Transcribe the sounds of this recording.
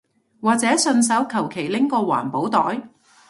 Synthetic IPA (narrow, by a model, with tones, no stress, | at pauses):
waː˨k̚t͡sɛː˨˥sɵ˧ns̬ɐ˨˥wkʰɐ˨˩wkʰe˨˩jlɪ˥ŋkɔː˧wa̰ː˨˩npo˨˥wt̪ɔː˨˥j